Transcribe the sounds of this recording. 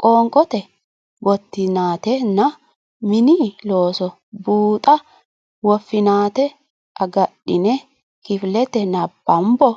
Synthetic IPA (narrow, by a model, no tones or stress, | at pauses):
kʼoːŋkʼɔt̪ɛ | ɡɔt̪ːɪnaːt̪ɛnɐ | mɪniːloːsɔ | buːt̪ʼɐ | wɔfːɪnaːt̪ɛ | ʔɐɡɐɗːɪnɛ | kɪflɛt̪ɛnɐbːɐmbɔ